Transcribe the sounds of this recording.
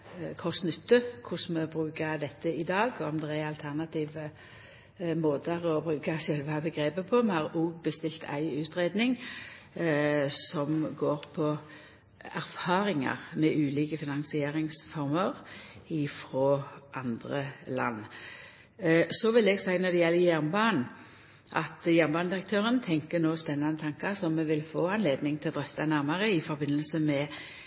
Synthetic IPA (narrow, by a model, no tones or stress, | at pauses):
kʰɔsnʏt̪ːəkʰʊsməbʁʉːkɑd̪ɛt̪ːəɪd̪ɑːɡɔmd̪ɛæɑlt̪ʰæʁnɑt̪ʰiːʋə | moːd̪əʁɔbʁʉːkɑʃœlʋɑbəɡʁeːbəpʰɔmɛhɑːʁuːɡbəst̪ɪlt̪ʰæ̰ɪʉːt̪ʁeːd̪nɪŋ | sɔmɡoːʁpʰɔ | æʁfɑːɾɪŋɑ̰ʁmɛʔʉːliːkəfɪnɑŋsɪeːɾɪŋsfɔʁməʁɪfʁoːʔɑnd̪ʁəlɑ̰nː | sɔʋɪlɛːɡsæɪnɔd̪ɛjɛlːəjæʁnbɑːn | ʔɑ̰t̪jæʁnbɑːnd̪ɪʁək̚t̪ʰøːʁənt̪ʰɛŋkənoːspɛnːɑnət̪ʰɑŋkɑʁsɔmːɛʋɪlfoːɑnleːd̪nɪŋt̪ʰɪlɔd̪ʁɛft̪ɑnæʁmɑʁəɪfɔɾbɪnːəlsəmɛ